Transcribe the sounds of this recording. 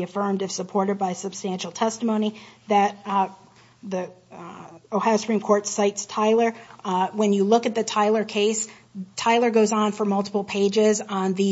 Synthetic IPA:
ɨfɜ̃˞mdɨfsəpʰɔɹɾɨd̚baɪsɨb̥stæ̃nʃl̩ˠtʰɛstəmõʊ̃ñiðɨt̪̚ | ði | oʊhæspʰɹ̥ĩmkʰɔɹtsaɪtstʰaɪlˠə˞wə̃njɨlʊkɨt̪̚ðɨtʰaɪlˠə˞kʰeɪs | tʰaɪlˠə˞ɡoʊzn̩fə˞mʌlˠtə̥pl̩ˠpʰeɪd͡ʒɪz̃n̩ðɨ

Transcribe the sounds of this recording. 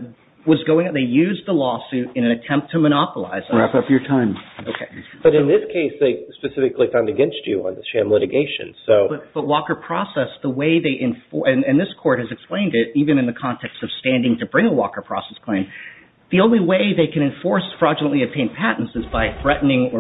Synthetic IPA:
wʌzɡoʊɪ̃ŋðeɪjʉzðəlɔsʉɾɨ̃nɨ̃nɨtʰɛ̃mp̚tʰɨməɾ̃ɑpəlˠa̰ɪz̥ɹæpʌpjə˞tʰãɪ̃moʊkʰeɪb̥ʌɾɨ̃nðɪskʰeɪsðeɪspɨsɪfɨklifãʊ̃ndɨɡɛ̃nst͡ʃɨə̰̃nðɨʃæ̃mlɪɾɨɡeɪʃɨ̰̃nsoʊb̥ʌtb̥ʌt̚wɔkə˞pʰɹ̥ɔsɛsðəweɪðeɪʔɨ̃ɱfʔɨ̃nɨ̃nðɪskʰɔɹt̚hɨzɨksplẽɪ̃ndɪɾivɨ̃ñɨ̃nðɨkʰɑ̃ntʰɛkstʌv̥stæ̃ndɪ̃ŋtʰɨbɹɪ̃ŋəwɔ̰kə˞pʰɹ̥ɔ̰sɛskʰl̥ẽɪ̃m | ðiõʊ̃nliweɪðeɪkɨ̃ɾ̃ɨ̃ɱfɔɹsfɹɑd͡ʒɨnə̃nʔliɨtʰẽɪ̃npʰæʔn̩sɨzbaɪθɹɛʔn̩ɪ̃ŋə˞

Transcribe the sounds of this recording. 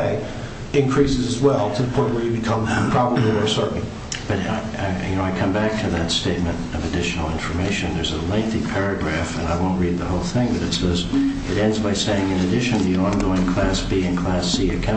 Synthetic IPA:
ɪ | ɪ̃nkʰɹ̥isɨzɨzwɛlˠtʰɨðəpʰɔ̃ɪ̃nʔwə˞jɨbɨkʰʌ̃mpʰɹ̥ɑbəbl̩ˠə˞sɜ˞ʔn̩ | b̥ʌɾa̰ɪ | jɨ̰noʊaɪkʰʌ̃mbæk̚tʰɨðɨtsteɪt̚mɨ̃ntʌvɨdɪʃn̩l̩ˠɪ̃ɱfə˞meɪʃɨ̃nðə˞zəlɛ̃nθipʰɛɹɨɡɹæfɨ̰̃naɪwõʊ̃nʔ̚ɹid̪̚ðəhoʊlˠθɪ̃ŋbʌɾɨtsð̥ʌz | ɨɾɛ̃ndzbaɪseɪɪ̃ŋɨ̃nɨdɪʃɨ̃n̩ðɨɑ̃nɡoʊɪ̃ŋkʰl̥æsb̥iɨ̃nkʰl̥æsiɨkʰã

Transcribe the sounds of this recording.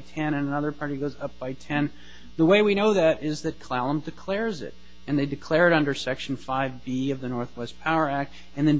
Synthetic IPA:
tʰɛ̃ɾ̃ɨ̃nənʌðə˞pʰɑɹɾiɡoʊzʌp̚b̥aɪtʰɛ̃n | ðəweɪwiñoʊðɨɾɪzðɨt̚kʰl̥ælˠə̃mdɨkʰl̥ɛɹzɪ̰ɾ | ɨ̃nðeɪdɨkʰl̥ɛɹɨɾʌ̃ndə˞sɛkʃn̩faɪvbiʌvðɨnɔɹθwɛspʰaʊə˞æk̚t̚ | ɨ̃nðɨ̃n

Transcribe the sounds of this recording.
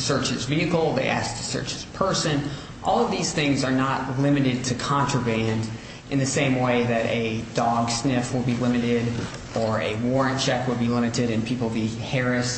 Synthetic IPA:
sɜ˞t͡ʃɨzviɨkl̩ˠðeɪʔæ̰s̚tʰɨsɜ̰˞t͡ʃɨz̥pʰɜ˞sɨ̃n | ʔɔlˠʌvðiz̥θɪ̃ŋzə˞nətlɪ̃mɨɾɨd̚tʰɨkʰɑ̃nt͡ʃɹ̥əbæ̃nd | ʔɨ̃nðɨsẽɪ̃mweɪðɨɾɨdɔɡsnɪfwəd̚ˠbilɪ̃mɨɾɪɾ | ə˞ɨ̰wɔɹɨ̃nt͡ʃʰɛkwəd̚bilɪ̃mɨɾɨɾɨ̃npʰipl̩ˠbihɛɹɨs

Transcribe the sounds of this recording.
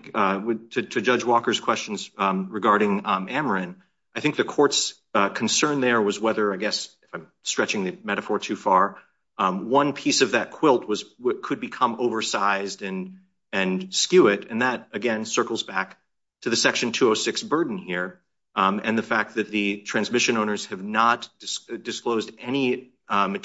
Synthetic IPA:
wɪtʰɨtʰɨd͡ʒʌd͡ʒwɔkə˞z̥kʰw̥ɛst͡ʃn̩zɹɨɡɑɹɾɪ̃ŋæmə˞ɨ̃n | aɪθɪ̃ŋk̚ðɨkʰɔɹts | kʰn̩sɜ̃˞nðə˞wʌzwɛðə˞aɪɡɛsɨfãɪ̃mstɹ̥ɛt͡ʃɪ̃ŋðɨmɛɾɨfɔɹtʰʉfɑɹ | wʌ̃npʰisʌvðɨt̚kʰw̥ɪlˠt̚wʌzwɪkʰɨd̚bɨkʰʌ̃moʊvə˞saɪzdɨ̃n | ɨ̃nskjʉɪɾɨ̃nðɨɾɨɡɛ̃nsɜ˞kl̩ˠzbæk̚ | tʰɨðɨsɛkʃɨ̃n̩tʰʉoʊsɪksb̥ɜ˞dⁿn̩hiɹ | ɨ̃nðɨfæk̪̚ðɨt̪̚ðɨtʰɹ̥æ̃nzmɪʃɨ̃nõʊ̃nə˞z̥ɨvnətd̥ɨsd̥ɨskloʊzdɛñi | mɨ

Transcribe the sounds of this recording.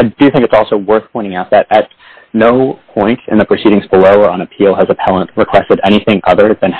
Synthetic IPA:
aɪdɨθɪ̃ŋkɨtsɔlˠsoʊwɜ˞θpʰɔ̃ɪ̃ɾ̃ɪ̃ŋaʊt̪̚ðɨɾʔɨtⁿ | noʊpʰɔ̃ɪ̃ntɨ̰̃nðɨpʰɹ̥ɨsiɾɪ̃ŋzbəloʊə˞ə̃nɨpʰilˠəzɨpʰælˠə̃nʔ̚ɹɨkʰw̥ɛstɨɾɛɾ̃iθɪ̃ŋʔʌ̰ðə˞ðɨ̃n

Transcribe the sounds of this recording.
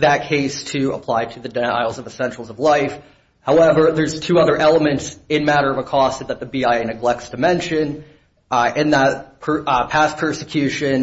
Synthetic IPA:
ðɨt̚kʰeɪstʰɨə̰pʰl̥aɪɾɨðɨda̰ɪl̩ˠzʌvəsɛ̃nt͡ʃl̩ˠzʌvlaɪf | haʊɛvə˞ðə˞z̥tʰʉʌðə˞ʔɛlˠəmɨ̃ntsɨ̃nmæɾə˞ʌvəkʰɔstðɨt̪̚ðɨbiaɪnɨɡlɛk̚tsd̥ɨmɛ̃nʃɨ̃n | ɨ̃nðət̚pʰə˞pʰæspʰɜ˞sɨkʰj̥ʉʃɨ̃n

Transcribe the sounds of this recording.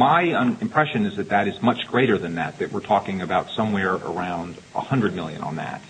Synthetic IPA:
maɪə̃ɨ̃mpʰɹ̥ɛʃɨ̃nɨzðɨt̪̚ðɨɾɨzmʌt͡ʃɡ̥ɹeɪɾə˞ðɨ̃nðɨ̰t̪̚ðɨʔ̚wɨɹtʰɔkɪ̃ŋɨbaʊtsʌ̃mwɛɹə̰˞ãʊ̃nd | ə̰hʌ̃ndɹɨd̚mɪlˠjɨ̰̃nə̰̃nðæ̰t̚

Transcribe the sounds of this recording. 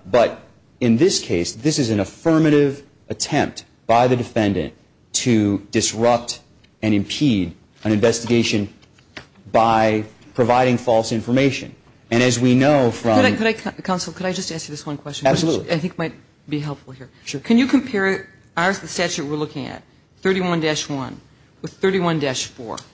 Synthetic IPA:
b̥ʌɾ | ɨ̃nðɪskʰeɪsðɪsɨzɨ̃nɨfɜ˞mɨɾɪv | ʔɨtʰɛ̃mp̚t | b̥aɪðɨdɨfɛ̃ndɨ̰̃n | tʰɨdɨsɹʌp̚t | ɨ̃ñɨ̃mpʰiɾ | ɨ̃ñɨ̃ɱvɛstɨɡeɪʃɨ̃n | baɪpʰɹ̥ɨvaɪɾɪ̃ŋfɔlˠsɪ̃ɱfə˞meɪʃɨ̰̃n | ɨ̃ɾ̃ɨzwinoʊfɹʌ̃ɨaɪkɨɾaɪkʰãʊ̃nsl̩ˠkʰɨɾaɪd͡ʒʌstæskjɨðɪswʌ̃nkʰw̥ɛst͡ʃɨ̃næbsəlulaɪθɪ̃kmaɪt̚ | b̥iɦɛlˠpfl̩ˠɦiɹkʰɨ̃njɨkʰɨ̃mpʰɛɹ | azðɨstæt͡ʃʉʔ̚wɪɹlʊkɪ̃ŋɨ̰t̪̚ | θɜ˞ɾiwʌ̃ndɛʃwʌ̃n | wɨð̥θɜ˞ɾiwʌ̃ndɛʃfɔ̰ɹ

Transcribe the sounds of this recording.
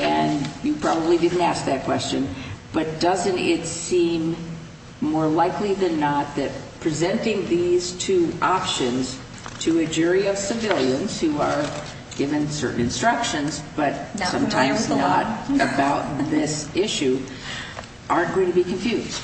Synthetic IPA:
ɨ̃njɨpʰɹ̥ɑbəblidɪdⁿn̩tæsk̚ðɨt̚kʰw̥ɛst͡ʃɨ̰̃nb̥ʌt̚d̥ʌzɨ̃ntɪtsĩmː | ɔɹlaɪkliðɨ̃nːət̪̚ðɨt̚pʰɹ̥izɛ̃ntɪ̃ŋðiz̥tʰʉʔɑpʃɨ̃nz̥ | tʰɨɨd͡ʒʊɹiʌv̥sɨvɪlˠjɨ̃nz̥huə˞ | ɡ̥ɪvɨ̃nsɜ̰˞ʔn̩ɨ̃nstɹ̥ʌkʃɨ̃nzb̥ʌt̚sʌ̃mtʰãɪ̃mznəɾɨbaʊt̪̚ðɪsɪʃʉ | ʔɑɹnɡ̥oʊɪ̃ŋtʰɨbikʰɨ̃ɱfjʉzd̥

